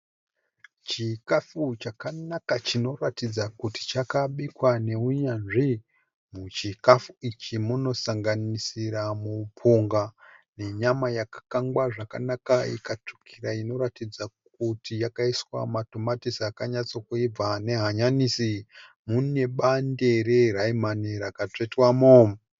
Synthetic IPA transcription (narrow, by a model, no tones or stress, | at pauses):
t͡ʃikafut͡ʃakanakat͡ʃino̞ratid͡zakuti̥t͡ʃakaɓikwane̞uɲanʐi | mut͡ʃikafuit͡ʃimuno̞saŋɡanisiɾamupʰoŋɡane̞ɲamajakḁkaŋɡwaʐaka̰nakaḭkat͡ʂu̥kʰiɾaino̞ɾatid͡zakutijakaiswa̰mato̞matisakaɲat͡sokuib͡vane̞ɦaɲanisi | mune̞ɓande̞ɾeraimaniɾakat͡ʂetwamom